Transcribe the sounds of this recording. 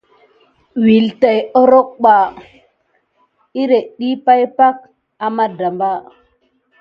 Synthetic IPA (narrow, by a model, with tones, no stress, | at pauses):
wi˨lta˨jo˦ɾo˦k̚ɓa˨ | i˦ɾe˨ɗi˦pa˦jpa˦k̚ | a˨ma˦da˨mba˦